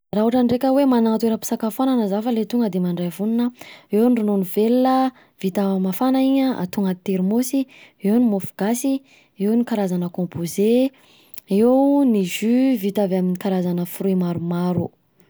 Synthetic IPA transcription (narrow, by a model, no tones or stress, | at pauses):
raɦuʈ͡ʂənɖ͡ʐekʲəwemanaŋat̪ueɾəpi̥sakafananəzafəlet̪uŋɡəd̪emaɳɖ͡ʐajvuninəewniɖ͡ʐunonivelːə | v̥it̪avmafanaiɲəa̰t̪uŋɡat̪eɾmosiewnimofu̥ɡ̥asi | ewnikaɾazanəkɔ̃mpʰoze | ewuniʒyvit̪avaminikaɾazanəfruimaɾumaɾu